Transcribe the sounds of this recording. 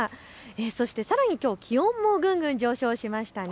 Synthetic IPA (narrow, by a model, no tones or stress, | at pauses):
eso̞ɕi̥t̪e̞saɾaɲ̟ikʲo̞ːkʲʰihõ̞mːoɡɯ̟̃ŋɡɯ̟̃ɲ̟d͡ʑo̞ːɕo̞ːɕimaɕi̥t̪an